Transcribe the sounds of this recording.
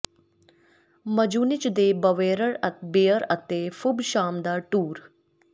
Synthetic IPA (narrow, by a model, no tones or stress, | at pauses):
məd͡ʒuːnɪt͡ʃd̪eːbəʋeːɾəɾɐt̪beːəɾɐt̪eːfʊbʃaːmd̪aːʈuːɾ